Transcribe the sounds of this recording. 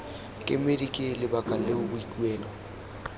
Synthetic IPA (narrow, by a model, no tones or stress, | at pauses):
kʼɪmedikʼɪlɪbakʼal̩lehʊbʊikʼiwɛːlɔ